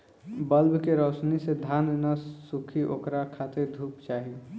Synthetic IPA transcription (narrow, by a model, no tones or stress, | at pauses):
bəlbkeɾɔːsnised̪ʱaːnnasukʰiʔo̰ːkɾakʰaːt̪eɾd̪ʱuːpt͡ʃaːɦi